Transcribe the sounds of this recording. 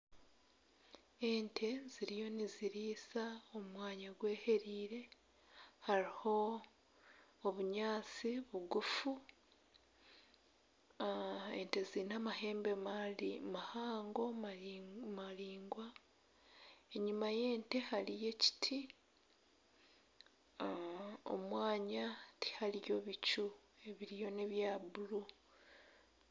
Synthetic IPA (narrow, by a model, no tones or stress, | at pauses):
e̞ntʰe̞z̥iɾijo̞niziɾiːsaomwaːɲaɡwe̞ːhe̞ɾiːɾe̞ | haɾiho̞ | βuɲaːt͡siβuɡufu | e̞nte̞zinamaɦe̞ːmbemalimahaːŋɡo̞ | maliːŋɡwa | e̞ɲimaje̞ːnte̞halije̞ci̥tʰi | o̰mwaːɲatʰi̥halijo̞βit͡ʃu | e̞βiɾijo̞ne̞βjaːβulu